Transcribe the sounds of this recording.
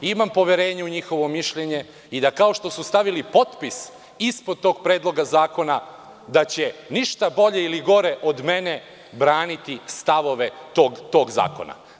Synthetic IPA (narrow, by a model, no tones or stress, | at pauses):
imampo̞ʋjeɾe̞ːɲeuɲixo̞ʋo̞miʃʎeɲe̞ | id̪akao̞ʃt̪o̞sust̪aʋilipo̞t̪pis | ispod̪̚t̪o̞ːɡ̚pɾe̞ːd̪lˠo̞ɡazaːko̞na | d̪at͡ɕe̞niʃt̪abo̞ʎeiliɡo̞ɾeʔo̞d̪me̞ne | bɾaːnit̪ist̪aʋo̞ʋe̞t̪oːɡt̪o̞ːɡza̰ːko̞̰na̰